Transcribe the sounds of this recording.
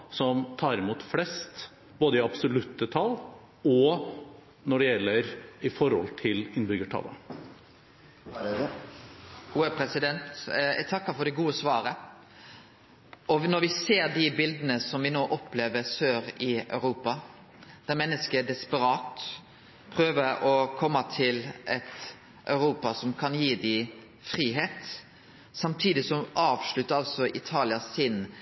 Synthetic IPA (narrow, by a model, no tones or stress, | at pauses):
sɔmt̪ʰɑːɾɪmuːt̪flɛst̪ | b̥oːd̪əɪɑbsɔlʉt̪ət̪ʰɑl | ɔ | nɔɖɛjɛlːəɾɪfɔɾhɔ̰lt̪ʰɪlɪnːbʏɡəʈʰɑ̰lːə̰ | ɡ̥uːəpʰɾɛsɪd̪ɛnt̪ɛ̰t̪ʰɑkːəfɔɖɛɡuːəsʋɑːɾə | ɔnɔɾʋɪseːɾd̪ɪbɪld̪ənəsɔmʋɪnoːʔɔpleːʋəsøːɾɪœ̰ʉɾuːpɑ | d̪̥æɾmɛnːəskəɖ̪ɛspəɾɑːt̪ | pʰɾøːʋəɾɔkʰɔmːɑt̪ʰɪlʔɛt̪ | ʔœ̰ʉɾuːpɑsɔmkʰɑnjiːd̪ɪ | fɾiːɦeːt̪ | sɑmt̪ʰiːd̪ɪsɔʔɑːʋʂɭʉt̪ːəɾɑlsɔʔɪt̪ʰɑːlɪɑsɪn